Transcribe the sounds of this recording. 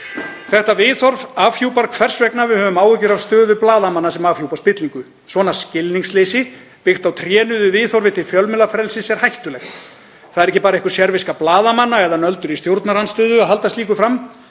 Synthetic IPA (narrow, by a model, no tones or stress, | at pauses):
θɛht̪avɪθɔɾvaːvjuwpaɾkʰvɛr̥svɛknavɪðhœːvʏmaːwɪcʏɾav̥st̪œːðʏplaːðamanːasɛmaːfjuwpaspɪt̪liŋkʏ | svɔːnascɪlniŋslejsɪ | pɪxt̪awt̪ʰɾjɛːnʏðʏvɪːθɔɾvɪt̪ʰɪlfjœlmɛlafɾɛlsɪsɛɾ̥hajht̪ʏlɛxt̪ | θaðɛɾɛcːɪpaːɾaehkʏɾ̥sjɛɾvɪskaplaːðamanːaɛðanœlt̪ʏɾist̪jowɾt̪naɾanst̪ʏːðʏaɦal̪t̪ast̪iːkʏfɾamː